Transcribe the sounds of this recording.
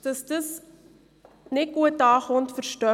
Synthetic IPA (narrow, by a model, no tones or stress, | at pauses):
d̥əsdəs | nɛkuətɑːχɔntfərstœ